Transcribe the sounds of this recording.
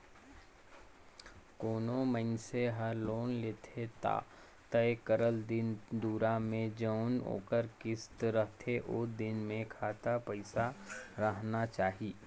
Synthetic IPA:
koːnomənseɦɐɾloːnleːt̪ʰet̪a̰ː | t̪ɐekəɾəld̪ɪnd̪uːɾamẽd͡ʒəːno̰ːkəɾkɪst̪ɾəɦt̪ʰeʔoːd̪ɪnmẽkʰaːt̪apəɪsaɾəɦnat͡ʃaːɦiː

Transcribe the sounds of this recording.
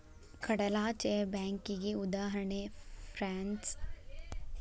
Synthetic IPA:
kʰɐɽɐlaːt͡ʃebɛ̃ːŋkiɡiʊd̪aːɦɾəɳefɾaːns

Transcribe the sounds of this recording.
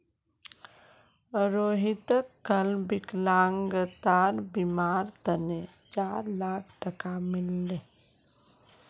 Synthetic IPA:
ɾoːɦit̪əkːəlbɪklãːŋɡət̪aːɾbimaːɾt̪əne | t͡ʃaːɾlaːkʰʈəkamɪlːeː

